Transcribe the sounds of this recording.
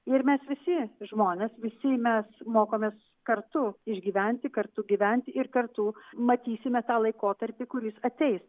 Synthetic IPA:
ɪɾmʲɛsʋʲɪsʲɪʒmoːnʲeːsʋʲɪsʲɪmʲɛsmoːkoːmʲeːs | kɐrt̪ʊɪʒʲɡʲiːʋʲɛnʲt̪ʲɪkɐɾt̪ʊɡʲiːʋʲɛnʲt̪ʲɪɪrkɐrt̪ʊmɐt̪ʲiːsʲɪmʲɛt̪ɑːlˠɐɪkoːt̪ɐɾʲpʲɪkʊɾʲɪsɐt̪ʲɛɪs

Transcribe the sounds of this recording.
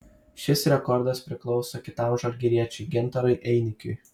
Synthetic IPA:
ʃʲɪsɾʲɛkɔɾd̪ɐspʲɾʲɪklˠɒʊsoːkʲɪt̪ɑˑmʒɐɾʲɡʲɪɾʲiɛt͡ʃʲɛɪɡʲɛnt̪ɐɾʊɪʔɛɪnʲɪkʲʊɪ

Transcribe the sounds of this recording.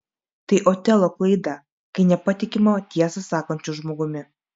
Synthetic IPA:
t̪ɐɪʔoːt̪ʲɛlˠoːklˠɐɪd̪ɐ | kɐɪnʲɛpɐt̪ʲɪkʲɪmɐt̪ʲiɛsɐsɑːkoːnʲt͡ʃʲʊʒmoːɡʊmʲɪ

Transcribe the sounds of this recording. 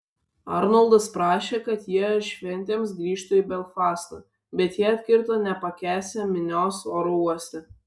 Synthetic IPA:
ɑ̰ɾnɔlˠd̪ɐspɾɑːʃʲeːkɐt̪jiɛʃʲʋʲɛnʲt̪ʲeːms̬ɡɾʲiːʃt̪ʊibʲɛlfɑːst̪ɐ̰ | bʲɛt̪jiɛɐt̪ʲkʲɪɾt̪onʲɛpɐkʲæːsʲɛmʲɪnʲoːsoːɾouɔsʲt̪ʲɛ

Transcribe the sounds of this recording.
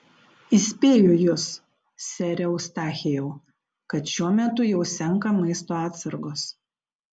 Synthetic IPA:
ɪsʲpʲeːjʊjʊs | sʲɛɾʲɛʊst̪ɑːxʲejɛʊ | kɐt̪ʃʲuɔmʲɛt̪ʊjɛʊsʲɛŋˑkɐmɐɪst̪oːɑːt̪sɐɾɡoːs

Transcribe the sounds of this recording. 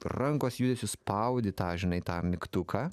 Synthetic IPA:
rɐŋkoːsjud̪ʲesʲʊspɐʊd̪ʲɪt̪ɑːʒʲɪnɐɪt̪ɑːmʲɪkt̪ʊkʰɑː

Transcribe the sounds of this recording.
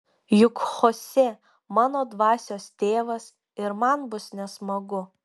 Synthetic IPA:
jʊkxoːsʲɛ | mɑːnoːd̪ʋɑːsʲoːst̪ʲeːʋɐs | ɪɾmɐnbʊsnʲɛsmɐɡʊ

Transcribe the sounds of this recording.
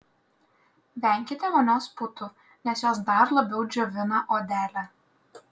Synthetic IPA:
ʋʲɛˑŋʲkʲɪt̪ʲɛʋoːnʲoːspʊt̪ʊ | nʲɛsjoːsd̪ɐɾlˠɐbʲɛʊd͡ʒʲoʋʲɪnɐʔoːd̪ʲæːlʲæ

